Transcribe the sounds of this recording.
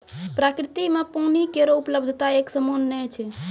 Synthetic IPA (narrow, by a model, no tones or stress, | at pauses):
pɾakɾit̪imepunikeɾoupləbd̪ʱət̪aeksəmonːɛt͡ʃʰɛ